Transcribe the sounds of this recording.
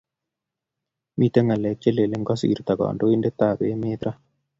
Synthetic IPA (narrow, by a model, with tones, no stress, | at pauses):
mʔi˦˨t̪e˦ŋa˨lɛ˨t͡ʃːe˦le˨le˦ŋɡɔ˦siː˨ɾt̪a˨kɔ̰ː˨ndo˦i˦nde˦t̪ːaː˦˨be˦meː˦t̪ɾa˦